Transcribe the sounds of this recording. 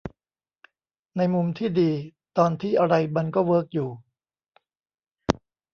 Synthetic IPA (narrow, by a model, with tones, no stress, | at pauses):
na˧jmu˧mt̪ʰiː˥˩diː˧ | t̪ɔː˧nt̪ʰiː˥˩ʔa˧ɾa˧jma˧nkɔː˥˩wɤː˦˥k̚juː˨˩